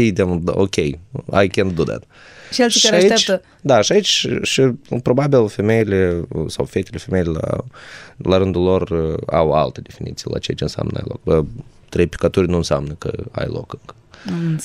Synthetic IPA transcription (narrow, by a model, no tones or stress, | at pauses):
id̪emo̰kʲeja̰jkʲend̪d̪od̪a̰t̪ | ʃelʃiɾait̪t͡ʃ̪ə | d̪aʃiait͡ʃʲʃipɾo̞babilˠfemʲejilesawfet̪elefemʲejlʲela̰ | laɾɨnd̪ulo̞ra̰wa̰lt̪ed̪efinḭt̪sijila̰t͡ʃet͡ʃʲɨnsa̰mnəa̰jlo̰k̚ba | t̪ɾejpʲi̥kat̪uɾʲnuɨnseamnəkə̰a̰jlo̰kɨŋkə̥